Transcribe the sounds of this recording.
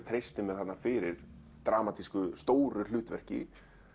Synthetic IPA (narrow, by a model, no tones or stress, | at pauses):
t̪ʰɾejst̪ɪmɛðat̪nafɪɾɪɾ̥ | t̪ɾaːmat̪ʰiskʏst̪oːwɾʏlʏːt̪vɛr̥cɪ̰